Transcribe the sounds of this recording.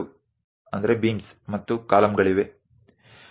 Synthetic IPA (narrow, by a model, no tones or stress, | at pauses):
u | ɐnd̪ɐɾe̞biːns | mɐt̪ːukaːlɐmɡɐɭiʋe̞